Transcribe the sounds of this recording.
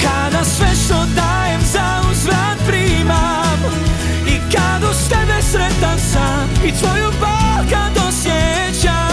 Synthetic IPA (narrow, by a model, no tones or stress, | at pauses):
kad̪asvɛʃɔd̪ajɛmza | uzvɾanpɾima | m | ikad̪ɔst̪ɛbɛsɾɛt̪asa | it̪vɔjubalkad̪ɔsjɛ | t͡ʃa